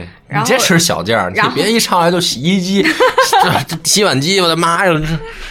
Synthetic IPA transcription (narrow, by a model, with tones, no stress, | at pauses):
ni˩ʈ͡ʂɛ˥ʈ͡ʂʰɻ̩˧˥˧ɕjɑ̰˨˩ʊt͡ɕ̪jɑ̰˥˧˩pji˥˩ʈ͡ʂʰɑ˥˩ŋla˧˥t͡ɕjo˥˩ʊɕi˨˧˩i˥t͡ɕi˥˧˩ | ɕi˥wa˨˩nt͡ɕi˥wɔ˨˩ə˧˥ma˥ə˥˧˥